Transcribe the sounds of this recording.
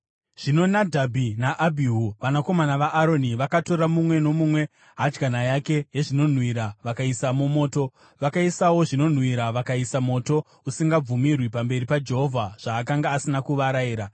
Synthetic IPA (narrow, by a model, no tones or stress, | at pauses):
ʐ̥ino̞nadʱabʱinaʔabʱiɦuʋanako̞manaʋaʔːɾo̞niʋakato̞ɾamumwe̞no̞mumwe̞ | ɦad͡ʒɡanajake̞jeʐino̞n̤wiɾaʋakaisamumo̞ːto̞ | ʋakaisawo̞ʐino̞n̤wiɾaʋakaisamo̞ːto̞ | usiŋɡab͡vumirwipambe̞ɾipad͡ʒe̞ɦo̞vʱaʐ̥aːkaŋɡaːsinakuʋaɾaiːɾa